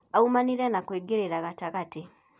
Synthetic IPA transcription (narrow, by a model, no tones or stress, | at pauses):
aumaniɾɛnakweːɡeɾeɾaɣataɣati